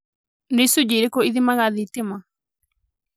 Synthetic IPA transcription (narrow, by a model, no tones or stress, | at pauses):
ɾisud͡ʒiɾekoiðimãɣaðit̪imã